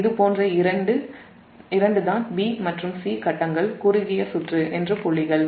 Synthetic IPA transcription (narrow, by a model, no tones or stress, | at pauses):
ɪðɯpoːndrɐɪɾɐɳɖɯ | ɪɾɐɳɖɯðaːnbiːmɐʈrɯmsiːkɐʈːɐŋɡɐɭkʊɾɪɣɪjɐsʊʈrɯʔɛndrɯpɔɭːɪɣɐɭ